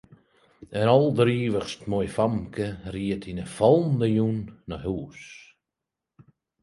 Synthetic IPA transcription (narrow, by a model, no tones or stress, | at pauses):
ənɔlˠdəɾiːʋəχstmɔjfamkəriətʰinəfɔlˠndəjunːɔɦuːs